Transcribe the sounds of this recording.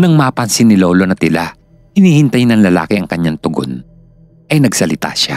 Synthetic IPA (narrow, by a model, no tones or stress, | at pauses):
nɐŋmaːpɐnsɪnːɪloːlonɐt̪ɪla | hɪniːhɪnt̪ɐjɪnɐŋlɐla̰ːkɪʔɐŋkɐɲːaŋt̪ʊɡo̰n | ʔɐjnɐɡsɐlɪt̪a̰ʃa̰